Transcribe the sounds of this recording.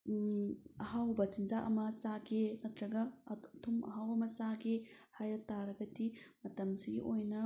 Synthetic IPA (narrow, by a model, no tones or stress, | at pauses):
ɐɦawbɐsinzaʔɐmɐsakenɐtɾɐɡɐtʰumɐ̰ɦawɐmɐsaɡehajɐtaɾɐɡɐdimɐtɐmsiɡḭʔojnɐ